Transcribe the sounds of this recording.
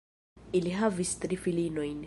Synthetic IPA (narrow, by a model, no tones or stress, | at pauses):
iliɦavist̪ɾifilinɔĩn